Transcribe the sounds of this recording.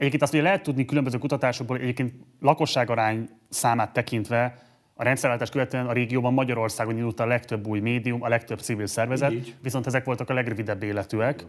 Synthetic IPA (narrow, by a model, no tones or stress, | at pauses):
ɛɟeːpkenst̪hojɛlɛɦɛt̪ːud̪nikylømbøzøːkut̪ɒt̪aːʃo̞ɡ̚boːlʔɛɟeːp̚keːnt̪lɒko̞ʃːaːɡɒɾaːɲ | saːmaːt̪ːɛkint̪ʋɛ | ɒɾɛnt̪sɛɾalt̪aːʃtkøvɛt̪øɛnɒɾeːɡijoːbɒmːɒɟɒɾo̞rsaːɡo̞ninut̪ːɒlɛkt̪øbːuːjmeːd̪ijumɒlɛkt̪øbt̪sivilsɛrvɛzɛt̪ʋiso̞nt̪ɛzɛkʋo̞lt̪ɒkɒlɛɡrøvid̪ɛbːeːlɛt̪øːɛk